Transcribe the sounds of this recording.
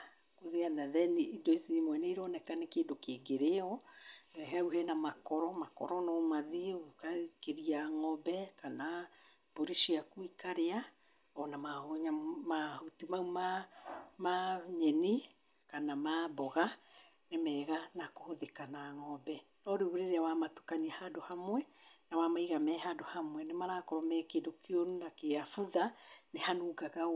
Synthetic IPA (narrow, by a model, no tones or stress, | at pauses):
koðeanaðɛneʔidoisimwɛneiɾɔnɛkanekeːndokeːɡeɾeɔɛɦɛuɦɛnamakɔɾɔmakɔ̰ɾɔnɔmaðiokakeɾiaŋɔbɛkana | b̥oɾiʃiakuikaɾea | ɔnamahoɲamahotimauma | maɲɛni | kanamabɔɣa | nemɛːɣanakohoðekanaːŋɔbɛ | nɔɾeβuɾeɾeawamatu̥kaniahadohamwɛnawamaiɣamɛːɦadohamwɛnemaɾakɔmɛkedokeonunakeafuðanehanuːɡaɣa